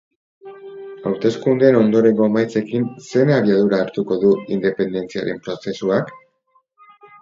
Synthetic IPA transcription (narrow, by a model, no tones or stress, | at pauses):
awɾt̪e̞skund̪e̞no̞nd̪o̞ɾe̞ŋɡo̞majt͡se̞kinse̞naβiaðuɾaːɾt̪uko̞ðuind̪e̞pe̞nd̪e̞nt͡sia̰ɾe̞mpɾo̞se̞suak